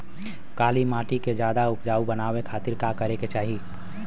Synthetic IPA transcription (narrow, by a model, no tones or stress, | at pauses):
kaːlimaːʈiked͡ʒjaːd̪aʊpd͡ʒaːubənaːwekʰaːt̪ɪɾkakəɾeket͡ʃaːɦi